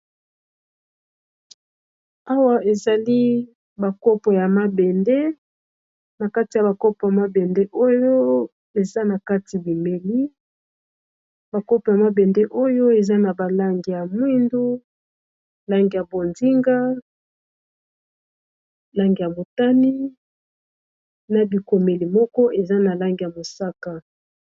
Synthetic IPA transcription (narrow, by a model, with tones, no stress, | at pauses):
a˦wa˦e˨za˨li˦ | ba˨ko˦po˨ja˨ma˦bɛ˨ndɛ˦ | na˨ka˦ti˨ja˨ba˨ko˦po˨ja˨ma˦bɛ˨ndɛ˦ʔo˦jo˦ | e˨za˦na˨ka˦ti˨bi˨me˨li˦ | ba˨ko˦pa˨ma˦bɛ˨nde˦ʔo˦jo˦e˨za˦na˨ba˨la˦ŋɡi˨ja˨mwi˦ndu˦ | la˦ŋɡi˨ja˨bo˨nzi˦ŋɡa˦ | la˦ŋɡi˨ja˨mo˨ta˦ni˦ | na˨bi˨ko˨me˨li˨mɔ˦kɔ˦ʔe˨za˦na˨la˦ŋɡja˨mo˨sa˦ka˨